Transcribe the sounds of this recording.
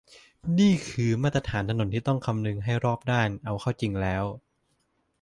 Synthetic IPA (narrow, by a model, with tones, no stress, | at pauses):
niː˥˩kʰɯː˧ma˥˩t̪ɾa˧t̪ʰaː˩˦nt̪ʰa˧no˩˦nt̪iː˥˩t̪ɔ˥˩ŋkʰa˧mnɯ˧ŋɦa˥˩jɾɔː˥˩p̚daː˥˩nʔa˧wkʰa˥˩wt͡ɕi˧ŋlɛː˦˥w